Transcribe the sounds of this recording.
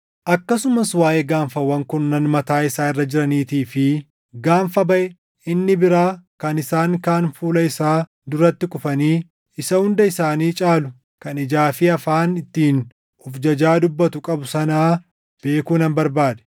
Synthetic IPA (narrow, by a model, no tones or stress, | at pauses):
ʔɐkːɐsʊmɐswaːʔeːɡaːɱfɐwːɐŋkʊnːɐnmɐt̪aːɪsaːɪrːɐd͡ʒɪɾɐniːt̪iːfɪ | ɡaːɱfɐbɐʔɛ | ɪnːɪbɪɾaːkɐnɪsaːŋkaːnfuːlɐɪsaː | d̪ʊrːɐt̪ːɪkʼʊfɐniː | ɪsɐhʊnd̪ɐɪsaːniːt͡ʃʼaːlʊ | kɐnɪd͡ʒaːfɪɐfaːnɪt̪ːiːn | ɔfd͡ʒɐd͡ʒaːd̪ʊbːɐt̪ʊkʼɐbʊsɐnaː | b̥e̞ːkuːnɐmbɐɾbaːd̪ɛ̥